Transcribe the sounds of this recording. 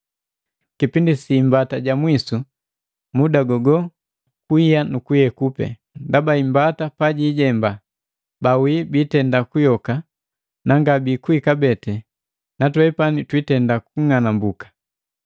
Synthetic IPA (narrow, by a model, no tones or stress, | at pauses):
kipindisiːmbataɟamwisu | mudaɡɔɡɔ | kuijanukujɛkupɛ̰ | ndabaimbatapaɟiːɟɛmba | bawibitɛndakujɔka | naŋɡabikuikabɛtɛ | natwɛpanitwitɛndakuŋanambukḁ